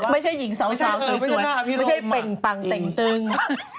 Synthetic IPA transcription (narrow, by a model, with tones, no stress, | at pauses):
ma˥˩jt͡ɕʰa˥˩jːi˩˦ŋsa˨˦wsaː˦˨˦maː˨˧˩əm˥˩jt͡ɕʰa˥˩jpe˨˩ŋpa˧ŋt̪e˨˩ŋt̪ɯ˧˩ŋ